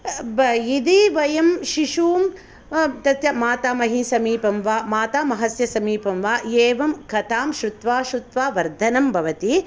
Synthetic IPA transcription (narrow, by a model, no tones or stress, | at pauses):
bɐid̪iʋɐjɐmʃiʃuːm | t̪ɐt̪jɐmaːt̪aːmɐɦisɐmiːpɐmʋaːmaːt̪aːmɐɦɐsjɐsɐmiːpɐmʋaːjeːʋɐmkɐt̪ʰaːmʃɾut̪ʋaːʃɾut̪ʋaːʋɐɾd̪ʱɐnɐmbʱɐʋɐt̪i